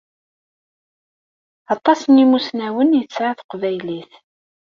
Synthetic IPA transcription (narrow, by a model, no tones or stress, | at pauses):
ɑt̪ˤːɑsənimusnæwənjət͡sːʕaθə̥qvæjliθ